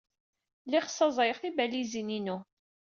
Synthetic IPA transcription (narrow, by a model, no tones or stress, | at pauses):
liχsˤːɑzˤjχθibælizininu